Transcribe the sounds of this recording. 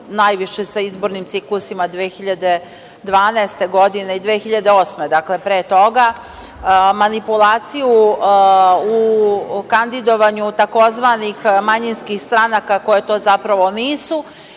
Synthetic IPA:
najʋiʃesaizbo̞ɾnimt̪iklˠusimad̪ʋeːxiʎad̪e̞ | d̪ʋaːnɛest̪e̞ɡo̞d̪ine̞id̪ʋeːxiʎad̪eo̞ːsmed̪akle̞pɾeːt̪o̞ɡa | manipulˠaːt̪siju | ukand̪id̪o̞ʋaɲut̪ako̞zʋanixmaɲinskixst̪ɾanakako̞jet̪o̞ːzapɾaʋo̞niːsu

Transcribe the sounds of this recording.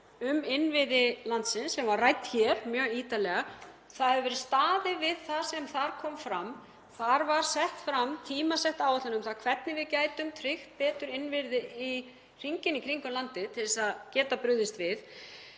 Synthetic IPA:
ʏmɪnvɪðɪlant̪sɪnsːɛmvaɾrajt̪çɛɾmjœːɣiːt̪alɛɣa | θaðhɛvʏvɛːɾɪst̪aːðɪvɪðθḁsɛmθaɾ̥kʰɔmfɾam | θaɾvaɾ̥sɛht̪fɾamt̪ʰiːmasɛht̪aːwɛtlanʏmθaðkʰvɛt̪̚nɪvɪðcaːjt̪ʏmt̪ʰɾɪxt̪̚pɛːt̪ʏɾɪnvɪɾðɪi | r̥iŋcɪnikʰɾiŋkʏmlant̪ɪt̪ʰɪlɪsaðcɛːt̪apɾʏððɪst̪vɪð

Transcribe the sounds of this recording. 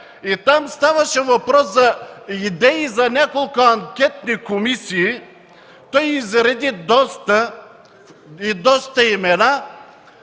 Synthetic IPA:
it̪amst̪avɐʃɛvɐpɾɔszɐid̪ɛizɐnʲakolˠkʊɐŋkʲɛt̪nikomisiː | t̪ɔjizɾɛd̪id̪ɔst̪ə | id̪ɔst̪ɐimɛna

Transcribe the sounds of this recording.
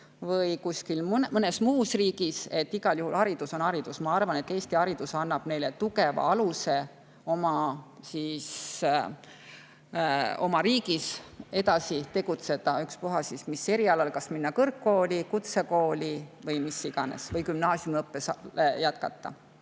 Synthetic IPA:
vɤjkuskilmnmɤne̞smuːsriːɡ̥ise̞t̪ːiɡ̥ɑljuhulhɑɾid̪̥uso̞nhɑɾid̪̥usmɑɑrvɑne̞t̪ːˑe̞ːst̪ihɑɾid̪usɑnːɑb̥ne̞jlet̪uɡe̞vɑ̰ɑluse̞ | o̞mɑsis | o̞̰mɑɾiːɡise̞d̪ɑsit̪e̞ɡ̥ut̪se̞d̪̥ɑykspoɦɑsismisːe̞ɾiɑlɑlkɑsminːɑkɤrkːo̞ːlikut̪seko̞ːlivɤjmisːiɡ̥ɑne̞̰svɤjkymnɑːsjumɤpːesjæt̪kɑ̰t̪ˑːɑ̰

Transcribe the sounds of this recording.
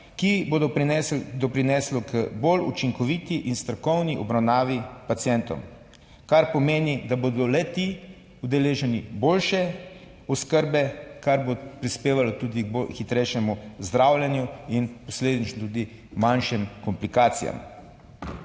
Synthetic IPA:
kibod̪ɔɛd̪ɔpɾinɛslɔkəbolut͡ʃiŋkɔʋiːt̪iʔinst̪ɾɔkɔwniʔɔbɾawnaːʋipat̪sijɛnt̪ɔ̰m | kaɾpɔmeːnid̪abod̪ɔlɛt̪i | ud̪ɛleːʒɛnibolʃɛ | ɔskəɾbɛkaɾbopɾispeːʋalɔt̪uːd̪iɡ̚bolxit̪ɾɛjʃɛmuzd̪ɾawlʲjɛnjuinpɔsleːd̪it͡ʃnɔt̪uːd̪i | manʃɛmkɔmplikaːt̪sḭja̰m

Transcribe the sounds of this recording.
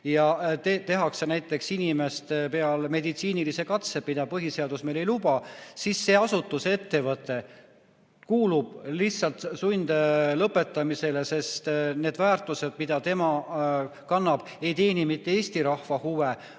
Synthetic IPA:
jɑt̪et̪e̞ɦɑkse̞næjt̪ːˑe̞ksinʲime̞st̪epe̞ɑlme̞d̪it̪siːnilise̞kɑt̪semid̪̥ɑpɤɦise̞ɑd̪̥usmejle̞jlubɑsisːe̞ːɑsut̪ːˑuse̞t̪ːe̞vɤt̪ˑːe̞ | kuːlub̥̚lihsɑlt̪sunʲd̪lɤpːˑe̞t̪ːˑɑmise̞le̞se̞st̪ne̞ːd̪væːrt̪ˑuse̞d̪̥̚mid̪̥ɑt̪e̞mɑ | kɑnːɑb̥ | e̞jt̪e̞ːnimit̪ːee̞ːst̪iɾɑhvɑhuve

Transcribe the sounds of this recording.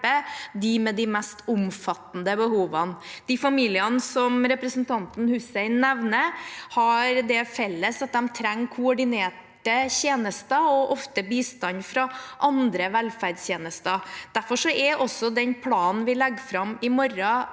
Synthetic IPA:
əd̪ɪmɛd̪ɪmɛst̪ʊmfɑt̪ːn̩d̪əbəhuːʋənd̪̥ɪfɑmiːlɪənsɔmɾɛpɾəsnt̪ʰɑnt̪n̩hʉːsɛɪnnɛʋnəhɑɾd̪ɛfɛlːəsɑt̪̚d̪ɛmt̪ʰɾɛŋːkʰʊɔɖɪneːʈəçeːnəst̪əɔʔɔft̪əbiːst̪ɑnfɾɑʔɑnd̪ɾəʋɛlfæɖsjeːnəst̪əd̪̥æɾfɔʂɔɛʔɔsːɔd̪ɛnpʰlɑːnn̩ʋɪlɛɡːfɾɑmɪmɔɾɑ

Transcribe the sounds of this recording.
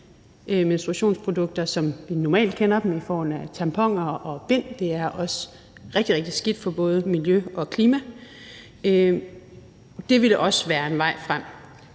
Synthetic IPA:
ʔmensd̥ʁuæɕo̝̰ːnspʰʁo̝d̥ɔ̽ɡ̥̚d̥ɐsɒ̽mʋinɒmɛ̰ːld̥̚kʰenɐd̥em̩ifɒ̰ːhɔnæt͡sʰɑmpʰɒ̽ŋ̰ɐʔɒ̽b̥en̰d̥e̝æɐʔɒ̽s | ʁeɡ̥̚d̥iʁeɡ̥̚d̥isɡ̥id̥fɒ̽b̥ɔ̽ːð̞̩ˠəmiljøɒ̽kʰliːmæ | ø | d̥e̝ʋiləʔɒ̽sʋæːɐe̝nʋɑ̈ɪ̰fʁam̰

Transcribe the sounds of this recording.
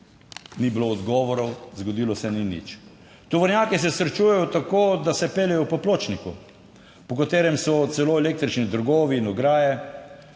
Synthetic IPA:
nibloːd̪ɡɔːʋɔɾɔwzɡɔd̪iːlɔsɛninḭt͡ʃ | t̪ɔʋɔɾnjaːkis̬ɛsɾɛt͡ʃujɛjɔt̪akoːd̪asɛpeːlɛjɔpɔploːt͡ʃniku | pɔkat̪eːɾɛmsɔt̪sɛloːɛleːk̚t̪ɾit͡ʃnid̪əɾɡoːʋiːnɔɡɾaːjɛ

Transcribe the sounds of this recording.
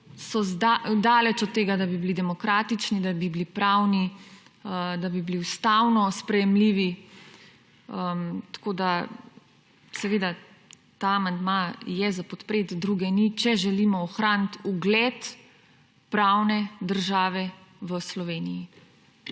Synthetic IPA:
sɔzd̪ad̪aːlɛt͡ʃɔt̪ːeːɡad̪abibilid̪ɛmɔkɾaːt̪it͡ʃnid̪abibilipɾawni | əd̪abibliust̪awnɔspɾɛjɛmliːʋi | əmt̪ḁkoːd̪a | sɛʋeːd̪a | t̪aːmand̪majɛzapɔt̪pɾeːt̪d̪ɾuːɡɛnit͡ʃɛʒɛliːmɔɔxɾaːnt̪uɡlɛt̪ | pɾaːwnɛd̪əɾʒaːʋɛʋəslɔʋeːniji

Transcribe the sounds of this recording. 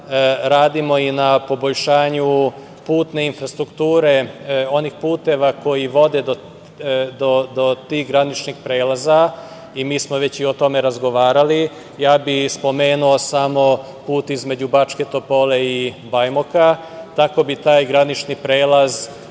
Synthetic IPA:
ɾaːd̪imo̞inapo̞boʎʃaːɲu | puːt̪ne̞infɾast̪ɾukt̪uːɾe̞o̞nixpuːt̪e̞ʋako̞jiʋo̞d̪e̞d̪o | d̪od̪ot̪iːɣɡɾanit͡ʃnixpɾeːlaza | imiːsmoʋe̞t͡ɕio̞t̪o̞me̞ɾazɡo̞ʋaːɾali | jaːbixspo̞me̞ːnuo̞samo̞ | puːt̪izme̞d͡ʑubat͡ʃke̞t̪o̞po̞le̞ibajmoka | t̪ako̞bit̪aːjɡɾanit͡ʃnipɾe̞ːlaz

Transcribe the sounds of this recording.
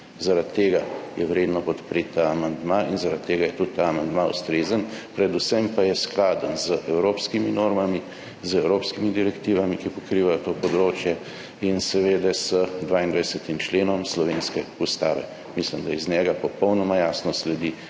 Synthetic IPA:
zaɾat̪ːeːɡajɛwɾed̪nɔpɔt̪pɾet̪ːaːmand̪mainzaɾat̪t̪ːeːɡajɛt̪ut̪t̪ːaːmand̪maust̪ɾeːzənpɾɛd̪usɛmpajɛsklaːd̪ənzəʔɛwɾoːpskiminoːɾmami | zɛwɾoːpskimid̪iɾɛkt̪iːʋamikipɔkɾiːʋajɔt̪oːpɔd̪ɾoːt͡ʃjɛ | insɛʋed̪ɛsəd̪ʋaːind̪ʋɛjsɛt̪imt͡ʃleːnɔmslɔʋeːnskɛust̪aːʋɛ̰ | mislimd̪ajɛznʲɛɡapɔpɔwnɔmajaːsnɔslɛd̪i

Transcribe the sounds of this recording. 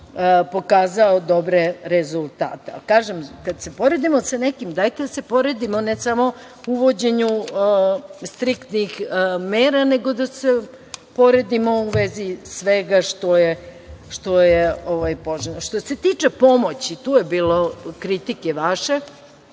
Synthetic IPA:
po̞kaːzaod̪o̞bɾeɾezulˠt̪a̰ːt̪ea̰kaːʒemkad̪se̞po̞ɾe̞d̪imosanekimd̪ajt̪ed̪ase̞po̞ɾed̪imonesamo̞ | uʋo̞d͡ʑe̞ɲu | st̪ɾikt̪nixmeːɾaneɡo̞d̪ase | po̞ɾe̞d̪imo̞uʋezisʋeɡaʃt̪oje | ʃt̪o̞jeoʋajpoʒenoʃt̪ose̞t̪it͡ʂepo̞mo̞t͡ɕit̪uːjebiːlo̞kɾit̪ikeʋaʃe̞

